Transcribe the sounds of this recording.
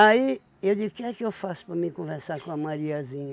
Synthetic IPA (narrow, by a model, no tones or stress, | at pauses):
ai | ewd͡ʒiʊkɪɛkɪewfasʊ̥pɾɐmĩkõveɾsaɾkõɐmaɾiɐzĩɲɐ